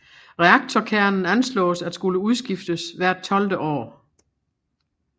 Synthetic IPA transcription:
ʁɛɑ̈ɡ̥̚t͡sʰɒkʰæɐ̰nn̩ænslɔ̰̽ːsæd̥sɡ̥uləuðˠsɡ̥ifd̥əsʋæɐ̰d̥̚t͡sʰɒ̽ld̥əʔɒ̰ː

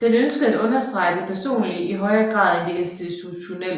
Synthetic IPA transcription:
d̥enønsɡ̥əð̩ˠædɔ̽nɐsd̥ʁɑ̈ɪd̥e̝pʰæɐso̝̰ːnliiɦɒ̽ɪɐɡ̥ʁɑ̰̈ːðˠend̥eensd̥it͡sʰuɕo̝nel̰

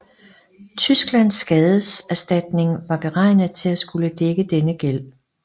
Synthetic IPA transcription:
t͡sʰysɡ̥læn̰sːɡ̥ɛːð̞ˠəsæsd̥æd̥ne̝ŋʋɑ̈b̥e̝ʁɑ̈ɪnð̩ˠt͡sʰe̝læsɡ̥uləd̥eɡ̥əd̥enəɡ̥el̰

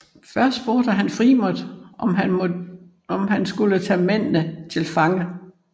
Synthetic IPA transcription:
fɶɐsd̥b̥o̝ɐd̥əɦænfʁimod̥ | ɒ̽mhænsɡ̥ulət͡sʰɛ̰ːmen̰nət͡sʰe̝lfɑ̈ŋə

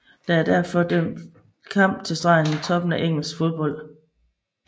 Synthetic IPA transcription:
d̥ææɐd̥æɐ̰fɒ̽d̥øm̰dd̥ | kʰɑ̈m̰b̥̚t͡sʰe̝sd̥ʁɑ̈ɪŋət͡sʰɒ̽b̥n̩æʔeŋ̰l̩sfo̝ð̞ˠb̥ɒ̽l̰̥

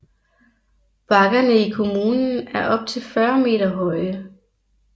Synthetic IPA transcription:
b̥ɑ̈ɡ̥ɐnəikʰo̝muːnn̩æɐʔɒ̽b̥̚t͡sʰe̝lfɶɐme̝̰ːdɐɦɒ̽ɪə

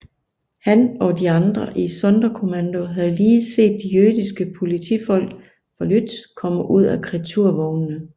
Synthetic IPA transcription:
hænɒ̽d̥iɑ̈nd̥ʁɐʔisɒ̽nd̥ɐkʰo̝mænd̥oɦæðˠliːse̝̰ːd̥̚ːijøɐð̥ˠisɡ̥əpʰo̝lit͡sʰifɒ̽l̰ɡ̥ | fɒlyd̥skʰɒ̽m̰əʔuð̞̰ˠækʰʁit͡sʰuɐ̰ʋɒʊnnə

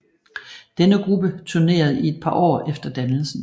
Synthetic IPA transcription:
d̥enəɡ̥ʁub̥ət͡sʰyɐne̝̰ːɐð̞̩ˠie̝d̥̚pʰɑ̈ːʔɒ̰ːefd̥ɐd̥ænl̩sn̩

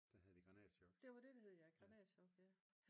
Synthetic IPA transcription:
d̥æhæðˠd̥iɡ̥ʁɑnɛ̰sɒɡd̥e̝ʋɑ̈d̥e̝d̥ɑ̈he̝ð̞ˠjɑ̈ɪɡ̥ʁɑ̈nɛ̰ɕɒɡ̥æ

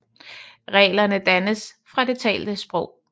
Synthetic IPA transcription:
ʁɛ̰ːlɐnəd̥ænəsfʁɑ̈d̥e̝t͡sʰɛ̰ːld̥əsb̥ʁɔʊ̰

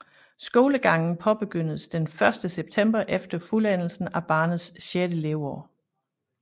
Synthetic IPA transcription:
sɡ̥o̝ːləɡ̥ɑ̈ŋ̰n̩pʰɒ̽b̥e̝ɡ̥øn̰ð̩ˠsd̥enfɶɐsd̥əseb̥̚t͡sʰem̰b̥ɐʔefd̥ɐfulæn̰l̩sn̩æb̥ɑ̈ːnð̩ˠsɕed̥əleʊɒ

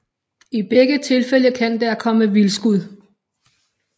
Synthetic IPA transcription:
ib̥eɡ̥ət͡sʰe̝lfel̰əkʰæn̰d̥æɐkʰɒ̽məʋilsɡ̥uð̞̰ˠ

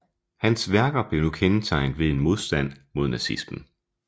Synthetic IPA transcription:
hænsʋæɐɡ̥ɐb̥le̝nukʰenət͡sʰɑ̈ɪ̰nð̩ˠʋe̝e̝nmo̝ð̞ˠsd̥æn̰mo̝ð̞̰ˠnæsisb̥n̩

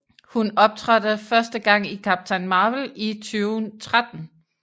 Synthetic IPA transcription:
hunɒ̽b̥̚t͡sʰʁad̥ð̩fɶɐsd̥əɡ̥ɑ̈ŋ̰ikʰæb̥̚t͡sʰænmɑ̈ːʋəlit͡sʰyːʊnt͡sʰʁad̥n̩

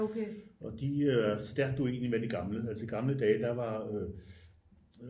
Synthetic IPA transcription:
kʰeɒ̽d̥isd̥æɐɡ̥̚d̥əe̝̰ːnlimæd̥iɡ̥ɑ̈mləælsiɡ̥ɑ̈mləd̥ɛːd̥ɑ̈ʋɑ̈ø

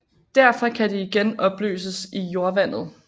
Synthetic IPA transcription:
d̥æɐ̰fɒkʰæd̥iːɡ̥enɒ̽b̥lø̰ːs̬əsijo̝ɐʋæn̰ð̞̩ˠ

